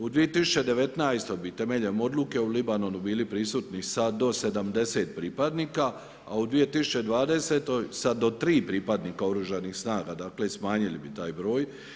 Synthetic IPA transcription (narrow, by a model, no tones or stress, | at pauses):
ud̪ʋije̞t̪isu̥t͡ʃe̞d̪e̞ʋe̞t̪najst̪ojbit̪e̞me̞ʎemo̞d̪luke̞ulibano̞nubiːlipɾisuːt̪nisad̪o̞se̞d̪amd̪e̞se̞ːt̪̚pɾiːpad̪niːka | aud̪ʋije̞t̪isu̥t͡ʃe̞d̪ʋaːd̪e̞set̪o̞jsad̪o̞t̪ɾiːpɾiːpad̪niːkao̞ɾuʒanixsnaːɡad̪aːkle̞smaːɲilibit̪aːjbɾo̞ːj